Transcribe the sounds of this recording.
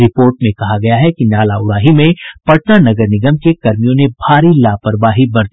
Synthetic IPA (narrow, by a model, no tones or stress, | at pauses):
ɾɪpoːɾʈmẽkɐɦaɡɐjaɦɛkinaːlaʊɾaːɦimẽpɐʈnanɐɡəɾnɪɡəmkekɐɾmijõnebʱaːɾilaːpəɾbaːɦibɐɾd̪i